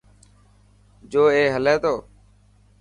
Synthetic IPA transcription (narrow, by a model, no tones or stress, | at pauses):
d͡ʒoːeːɦəleːt̪oː